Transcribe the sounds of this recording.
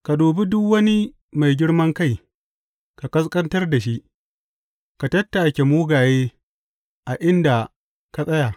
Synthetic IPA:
ka˨doː˨bi˦dʊ˦kwɐ˦ni˦ | ma˨jɡʲɪ˦ɽmɐ˦ŋka˦j | ka˨kɐ˦skʼɐ˦ntɐ˦rda˨ʃi˦ʔ | ka˨tɐ˦tːa˨kʲe˨muː˦ɡaː˨jeː˦ | ʔa˨ʔɪ˦nda˨ | ka˨sʼɐ˦ja˨

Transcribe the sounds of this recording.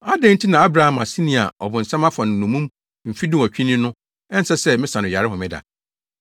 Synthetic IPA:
a˦dɛ̃˦n̩˦tʰi˦nã˨a˦bɾa˨hã˨ma˨si˦nĩ˨a̰˨ʔɔ˨bʊ̃˨n̩˨sã˦ma˦fa˨nʊ̃˨nːũ˨mũ˦m | m̩˨fi˦dʊ̃˦˨ɔ˨t͡ɕᶣi˦nɪ̃˦nʊ̃˦ | ɛ˦n̩˦sɛ˦sɛ˦mɪ̃˦sã˨nʊ̃˨a˨ɾɪ˦ɦʊ̃˨mɪ̃˦da̰˨

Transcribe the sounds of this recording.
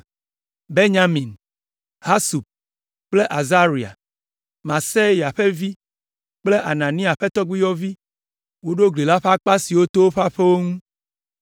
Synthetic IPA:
be˦ɲa˦mĩ˨n | ha˦su˨b̚ | k͡ple˦ʔa˨za˦ɾi˨a̰˨ | mã˨se˦ja˨ɸe˦vi˦ | k͡ple˦ʔa˨nã˨nĩ˦a˨ɸe˦t̪ɔ˦ɡ͡bi˦jɔ˦vi˦ | wo˦ɖo˦ɡli˨la˦ɸa˦k͡pa˦si˨wo˦t̪o˦wo˦ɸa˦ɸe˦wo˦ŋũ˦

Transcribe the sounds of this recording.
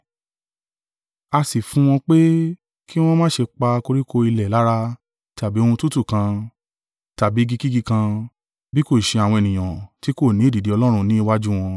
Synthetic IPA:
a˧si˨fũ˨˦w̃ɔ̃˧k͡pe˦ | ki˦w̃ɔ̃˦mãː˦˨ʃe˧k͡pa˧ko˧ɾi˦ko˧i˧lɛ˨la˨˦ɾa˧ | ta˨bi˨˦o˧ũ˧tu˦tu˦˨kã˧ | ta˨bi˨˦ɡi˧ki˦ɡi˧kã˧ | bi˦ko˦˨ʃe˧a˨wɔ̃˧ɛ˨nĩ˨j̃ã˨ti˨˦ko˦˨nĩ˨˦˨di˨di˨˦ɔ˧lɔ˦ɾ̃ũ˧nĩ˦i˦˧wa˦d͡ʒu˦w̃ɔ̃˧

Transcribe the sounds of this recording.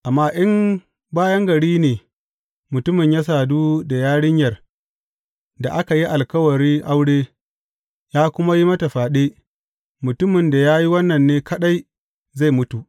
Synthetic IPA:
ʔa˨mːaː˦ʔɪ˦m | baː˦jɐ˦ŋɡɐ˨ɽiː˦neː˨ | mʊ˨tʊ˦mɪ˨ɲja˦s̬aː˨duː˦da˨jaː˦ɽɪ˦ɲjɐ˨r | da̰˨ʔa˦ka˨ji˦ʔa˨lkɐ˦wɐ˨ɽiː˦ʔa˦wɽeː˦ | jaː˦kʷʊ˦ma˦ji˦mɐ˦ta˨ɸaː˨ɗeː˦ | mʊ˨tʊ˦mɪ˨nda˨jaː˦ji˦wɐ˦nːɐ˨nːeː˦kɐ˦ɗa˦j | za˦˨jmʊ˦tu˨ʔ

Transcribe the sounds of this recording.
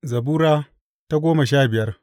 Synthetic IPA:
zɐ˨buː˦ɾaː˦ | ta˦ɡʷoː˦mɐ˨ʃaː˦bɪ˨jɐ˦r

